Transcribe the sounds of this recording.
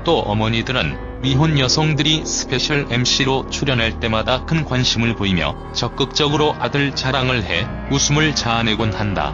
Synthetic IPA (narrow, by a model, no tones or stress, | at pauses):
t͈oʔʌ̰mʌɲidɯɾɯ̰n | ɥiɦonjʌsʰoŋdɯɾisʰɯ̥pʰe̞ɕʰʌɭemɕ͈iɾot͡ɕʰuɾjʌnɦaɭt͈e̞madakʰɯnɡwanɕʰimɯɭpoimjʌ̰ | t͡ɕʌk͈̚ɯk̚t͡ɕ͈ʌɡɯɾoʔadɯɭt͡ɕaɾaŋɯɭhe̞ | usʰumɯɭt͡ɕaːne̞ɡonhanda̰